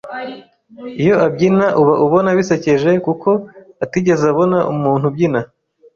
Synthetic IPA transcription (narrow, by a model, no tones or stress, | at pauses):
ijo̞abɟinaʔuβaʔuβo̞naβise̞ce̞ʒe̞kukʰo̞ | atiɟe̞zaβo̞naʔumuːnhubɟina